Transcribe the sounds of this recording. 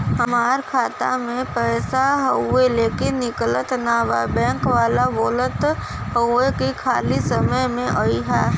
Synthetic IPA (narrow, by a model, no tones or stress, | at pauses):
ɦɐmaːɾkʰaːt̪a̰mẽpɛːsaɦəʊeleːkenɪklət̪naʋa̰bɛ̃ːŋkʋaːlaʋoːlət̪ɦəʊekikʰaːlisəməjmẽʔɐiɦɛː